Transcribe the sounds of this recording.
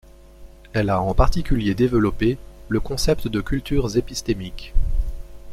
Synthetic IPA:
ɛlaɑ̃paʁt̪ikʲyljed̪evəlɔpeləkɔ̃sɛpt̪d̪əkʲylt̪yʁzepist̪emikʲ

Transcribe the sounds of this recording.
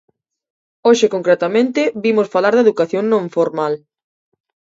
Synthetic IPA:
oʃɪkoŋkɾet̪amẽnt̪ɪβimosfalaɾðeðukaθjõŋnõɱfoɾmal

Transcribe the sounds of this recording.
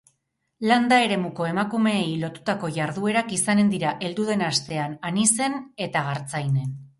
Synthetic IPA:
land̪ae̞ɾe̞muko̞e̞makume̞ːjlo̞t̪u̥t̪ako̞ʝaɾðue̞ɾakisane̞nd̪iɾaʔe̞ld̪uð̞e̞nast̪e̞ananise̞ne̞t̪aɣaɾt͡sajne̞n

